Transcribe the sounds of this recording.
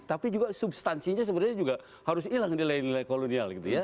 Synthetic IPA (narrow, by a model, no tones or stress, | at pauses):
t̪apid͡ʒuɡasubst̪ansiɲas̬əbəɾaɲad͡ʒuɡa | haɾʊsilaŋdilainilajkolonialɡit̪uja